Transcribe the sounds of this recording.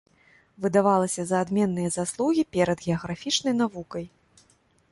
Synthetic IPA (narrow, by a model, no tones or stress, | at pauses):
vɨd̪avalˠɐsʲɐzɐːd̪mʲɛnːɨjɐzaslˠuɣʲipʲɛɾɐd̪ɣʲɛɐɣɾafʲit͡ʂnɐjn̪avukɐj